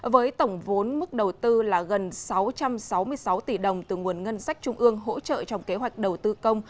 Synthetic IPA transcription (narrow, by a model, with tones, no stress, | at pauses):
vəː˨˦jt̪ə˧˩wŋ͡mvo˨˦nmɨ˦˥k̚ɗə˨˩wt̪ɨ˧laː˨˩ɣə˨˩nsa˨˦wt͡ɕa˧msa˨˦wmɨ˧əjsa˨˦wt̪i˧˩ɗə˨˩wŋ͡mt̪ɨ˨˩ŋu˨˩ənŋə˧nsa˦˥jk̟̚t͡ɕʊ˧ŋ͡mʔɨ˧əŋɦo̰˧˥t͡ɕə̰ː˧˨t͡ɕɔ˧wŋ͡mke˨˦ɦwa˨˩jk̟̚ɗə˨˩wt̪ɨ˧kə˧wŋ͡m